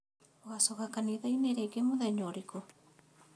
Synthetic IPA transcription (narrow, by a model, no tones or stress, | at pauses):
oɣasoɣakaniðaineɾeɡemoðɛɲoɾiko